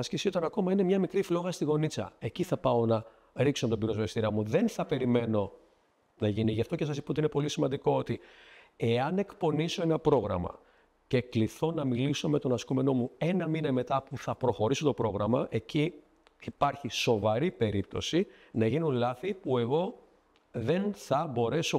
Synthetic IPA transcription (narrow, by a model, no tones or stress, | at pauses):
ɐscesiot̪ɐnɐko̞mɐine̞mɲɐmikɾiflo̞ɣɐst̪iɣo̞nit͡sɐ̰e̞ciθɐpɐo̞nɐ | ɾiksot̪obiɾo̞zvest̪iɾɐmuðe̞nθɐpe̞ɾime̞no̞ | nɐʝiniʝɐft̪o̞cesɐsi̥pɐot̪iine̞po̞lisimɐnd̪iko̞ot̪i | e̞ɐne̞kpo̞niso̞e̞nɐpɾo̞ɣɾɐ̰mɐ̰ | ce̞kliθo̞nɐmiliso̞me̞t̪o̞nɐskume̞no̞mue̞nɐminɐme̞t̪ɐpuθɐpɾo̞xo̞ɾiso̞t̪o̞pɾo̞ɣɾɐmɐʔe̞ci | ipɐɾçiso̞vɐɾipe̞ɾip̚t̪o̞̰si | nɐʝinulɐθipue̞ɣo̞ | ðe̞nθɐbo̞ɾe̞so̞